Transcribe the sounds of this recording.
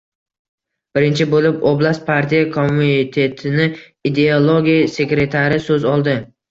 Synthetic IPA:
b̥ɪɾɪnt͡ʃʰɪbolɪpoblˠast̪̚pʰaɾt̪ʰijakʰomːuinit̪ʰe̞t̪ʰɪnɪ | id̪e̞olˠoɡʲijase̞kɾe̞t̪ʰaɾɪsɵzɒlˠd̪ɪ

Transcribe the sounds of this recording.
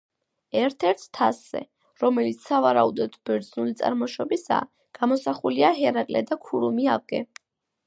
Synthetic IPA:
ɛɾt̪ʰɛɾt̪ʰt̪ʰasz̥ɛ̰ | ɾɔmɛlit̪ssavaɾaud̪ɔd̪bɛɾd̪znulit̪sʼa̰ɾmɔʃɔbisa̰ː | ɡ̥amɔsaχuliaɦɛɾakʼlɛ̰d̪akʰuɾumia̰vɡɛ

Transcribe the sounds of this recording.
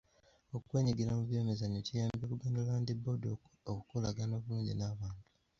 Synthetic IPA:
okukwe̞ːɲiɡiɾamuβjo̞ːmezaɲocijaːmbekuɡaːndolaːndibo̞dokokukula̰ɡano̞ːβuluːɲɟinaβaːntu̥

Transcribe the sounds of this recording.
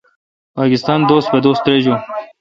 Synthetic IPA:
pɑːkɪst̪ɑːnd̪oːst̪ped̪oːst̪ːɾeːd͡ʑu

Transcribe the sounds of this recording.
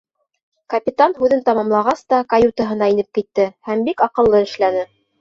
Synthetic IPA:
kɐpʲit̪anhʉðɘnt̪ɑmɑmlˠɑʁɑst̪ɑkɐjut̪əɦɤ̆nɑinɘp̚kit̪ːɘhæmbikɑqɤ̆lˠːɤɘ̆ʃlænɘ

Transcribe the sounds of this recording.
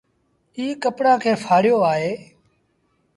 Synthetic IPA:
iːkəpɽãːkʰeːfʰaːɽɪjoːaːɦeː

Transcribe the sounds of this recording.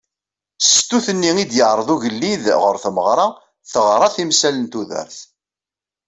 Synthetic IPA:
st̪ːuθənːiŋid̪jəʕɾˤəðˤuʝəlːiðʁʊɾθməʁɾˤɑ | θəʁɾˤɑθimsælənt̪uðə̰ɾθ

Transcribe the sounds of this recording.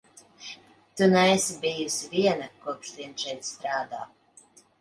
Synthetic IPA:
t̪unɛɛsʲibijusviɛnakuɔksliɛnʃɛjt̪st̪ɾaːd̪a̰ː

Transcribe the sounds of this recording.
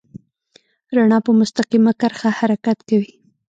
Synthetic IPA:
ɾaɳɑpəmʊst̪aqimakaɾxahaɾakat̪kawi

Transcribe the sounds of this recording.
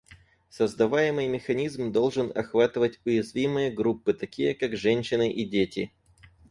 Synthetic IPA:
səzd̪ɐvajɪmɨjmʲɪxɐnʲizmd̪o̞lˠʐɨnɐ̰xvat̪ɨvətʲʊjɪzvʲimɨjəɡɾupːɨt̪ɐkʲijəkakʐɛnʲɕːɪnɨʔidʲetʲɪ

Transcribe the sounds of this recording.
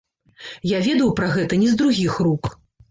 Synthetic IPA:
javʲɛd̪ɐwpɾaɣɛt̪ɐnʲizd̪ɾuɣʲixruk

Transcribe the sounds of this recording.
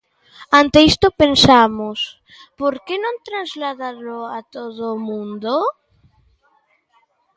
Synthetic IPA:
ant̪eist̪opensamos | poɾkenõnt̪ɾanzlaðaloat̪oðoːmũnd̪o

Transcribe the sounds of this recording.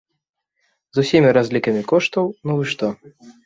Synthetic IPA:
zusʲimʲiɾazʲlʲikɐmʲikɔʂt̪ɐwnuvɨʂt̪ɔ

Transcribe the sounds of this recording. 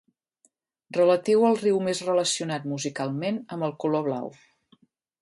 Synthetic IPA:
rələt̪iwəlˠriwmezrələsiunat̪̚muzikalˠmenəmbəlˠkuloβ̞la̰w

